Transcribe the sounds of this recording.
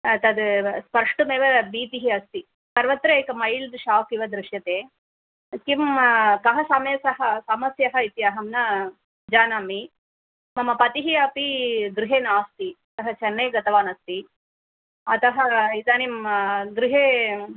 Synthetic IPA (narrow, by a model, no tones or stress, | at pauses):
t̪ɐd̪spɐɾʂʈumeːʋɐbiːt̪iɦiɐst̪i | sɐɾʋɐt̪ɾɐeːkɐmɐjld̪ʃaːʋkiʋɐd̪ɾɪʂjɐt̪eː | kimkɐɦɐsɐmeːsɐɦɐsɐmɐsjɐɦɐit̪jɐɦɐmnɐ | d͡ʒaːnaːmi | mɐmɐpɐt̪iɦiɐpiɡ̪ɾiɦeːnaːst̪iɐt̪ɐɦɐt͡ʃɐnːeːɡɐt̪ɐʋaːnɐst̪i | ɐt̪ɐɦɐid̪aːnimɡ̪ɾiɦeː